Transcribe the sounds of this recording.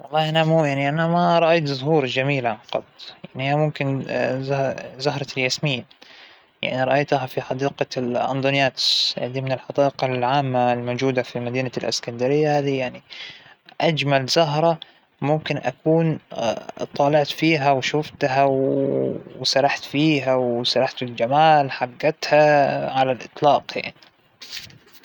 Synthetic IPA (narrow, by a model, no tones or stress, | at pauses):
wɑlˤːɑːʔanamuːjaʕniʔanamaɾˤɑʔajt̪zʊɦuːɾˤd͡ʒamiːlʕanqɑ̰d̪jaʕnihiːjamʊmkɪnzzʊɦɾˤɑljasmɪjːa | ja̰ʕniɾˤɑʔajt̪aɦafiħɑd̪iːqɑlʔa̰nd̪ˤʊnjaːt̪sʔa̰ʕd̪imɪnɪlħɑd̪ɑːʔqɑlʕaːmːalmowd͡ʒuːd̪afimad̪iːnalʔɪ̰skand̪aɾɪjːahaːðijaʕni | ʔad͡ʒmalzʊɦɾˤɑ | mʊmkɪnʔa̰kuːn | t̪ˤːɑːlɪʕt̪fiːɦawʃʊft̪ɦaw | wsɑɾˤɑħt̪fiːɦawsɑɾˤɑħt̪ɪld͡ʒamaːlħaɡːat̪haʕalalʔɨt̪ˤlɑːqja̰ʕni